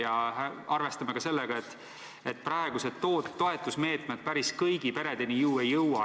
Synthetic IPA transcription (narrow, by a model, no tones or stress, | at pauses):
jɑæɑrve̞st̪ɑmekɑse̞lːeɡ̥ɑet̪ːˑ | et̪̚ːprɑe̞ɡ̥used̪̥t̪ːoːt̪ːo̞e̞t̪ːˑusme̞ːt̪ˑmed̪̥̚pæɾiskɤjɡipe̞ɾe̞d̪̥e̞nijuːe̞jːɤwwɑ